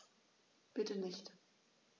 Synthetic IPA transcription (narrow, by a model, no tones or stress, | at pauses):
b̥ɪtənɪçt